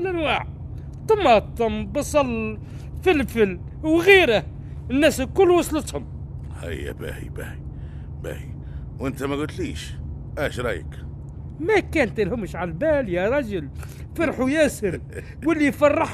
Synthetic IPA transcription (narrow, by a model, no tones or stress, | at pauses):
lʔænwaːʕ | t̪ɑmɑt̪ˤːʊmbɑsˤɑlː | fɪlfɪl | wɣiːɾa | nːæːskʊlːwɑsˤlət̪hʊm | hæ̰jːæ̰bæ̰hḭbæ̰hi | bæ̰ːhḭ | wʔɪnt̪æmæɡʊt̪liːʃ | ʔæːʃɾˤɑjə̰k | mækæːnt̪ɪlhʊmːʃʕalbæːljaɾˤɑʒʊl | fɑɾˤħʊjæːsɪɾ | wɪlːifɑrˤːɑħ